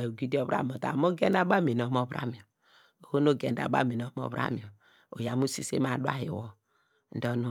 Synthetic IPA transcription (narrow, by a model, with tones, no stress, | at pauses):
o˨ɡi˦do˦bɾa̰˦m˨o˨ta̰˨mo˦ɡe˦n˦a˦ba˦˨mi˨n˨o˨˦mo˦bɾa̰˦mi˨o˨ | o˨ho˦no˦˨ɡe˨n˦da̰˨ba̰˦mi˨n˨o˨˦mo̰˦bɾa̰˦mi˨ɔ˨ | o̰˨ja˨mu˦si˦sḛ˦m˦a˨du˦a̰˦hi˨wo˦ | n̩˦do˦nu˦